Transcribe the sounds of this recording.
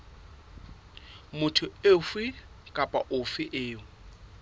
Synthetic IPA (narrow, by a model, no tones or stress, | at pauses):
mʊtʰʊefwɪkʼapʼaʔʊfɪʔeːʊ